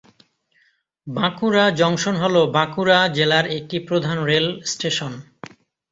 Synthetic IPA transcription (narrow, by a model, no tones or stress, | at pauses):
bãkuɾad͡ʑɔŋʃonɦolobãkuɾad͡ʑelaɾek̚ʈipɾod̪ʱanɾelsʈeʃon